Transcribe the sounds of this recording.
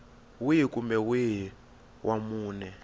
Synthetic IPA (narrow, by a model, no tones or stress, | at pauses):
wijikumbɛwiɦi | wʔamuːnɛ